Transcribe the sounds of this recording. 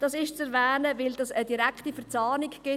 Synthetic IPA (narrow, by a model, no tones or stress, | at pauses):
d̥ɑsɪʃt͡sɛɾvɛːnəvɪldɑsədiɾɛkχtifəɾt͡sɑːnɪkɡ̥ɪ